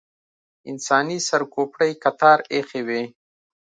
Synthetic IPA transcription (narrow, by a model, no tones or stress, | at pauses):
ɪnsɑːnisɐɾkoːpɽəjkɐt̪aːɾexewe